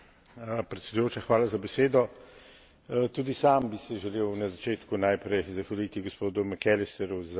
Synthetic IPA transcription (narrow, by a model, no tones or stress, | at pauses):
pɾɛt̪sɛd̪ujoːt͡ʃaxʋaːlazabɛseːd̪ɔ | t̪uːd̪isambisɛʒɛleːwnazat͡ʃeːt̪kunajpɾɛjzaxʋaliːt̪iɡospoːd̪umɛkɛlɛst̪ɛɾuz